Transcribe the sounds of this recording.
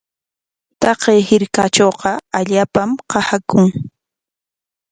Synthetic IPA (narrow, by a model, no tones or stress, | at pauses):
t̪ɑqejhɪɾkat͡ʃoːqɑaʎaːpamqɑhakʊŋ